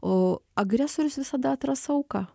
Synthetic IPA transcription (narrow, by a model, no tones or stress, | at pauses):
oːɐɡɾʲɛsoɾʲɪsʋʲɪsɐd̪ɐt̪ɾɐsɐʊkɐ